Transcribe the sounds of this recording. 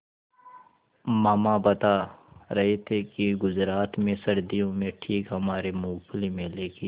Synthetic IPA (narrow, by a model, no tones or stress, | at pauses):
maːmabɐt̪aɾɐɦet̪ʰekiɡʊzɾaːt̪mẽsɐɾd̪ijõmẽʈʰiːkɦɐmaːɾemuːkʰlimẽleːkiː